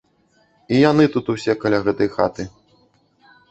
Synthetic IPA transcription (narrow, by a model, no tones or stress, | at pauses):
ijanɨt̪ut̪usʲɛkɐlʲaɣɛt̪ɐjxat̪ɨ